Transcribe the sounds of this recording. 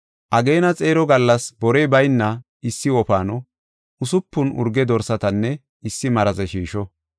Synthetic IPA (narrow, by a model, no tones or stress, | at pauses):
ʔɐɡe̞ːnɐt͡sʼe̞ːɾɔɡɐlːɐsbɔɾɛjbɐjnːɐ | ɪsːɪɔfaːnɔ | ʊsʊpːʊnʊ̰ɾɡɛd̪ɔɾsɐt̪ɐnːɛ | ɪsːɪmɐɾɐzɛʃiːʃɔ